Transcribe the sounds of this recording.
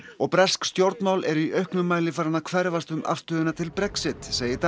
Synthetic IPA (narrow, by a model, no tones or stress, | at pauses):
ɔɣpɾɛskst̪jowɾt̪nawlʔɛɾʏiʔœɥhknʏmːaːjlɪfaɾanakʰvɛɾvast̪ʏmʔa̰fst̪œːðɪnat̪ʰɪlpɾɛksɪt̪seːjɪt̪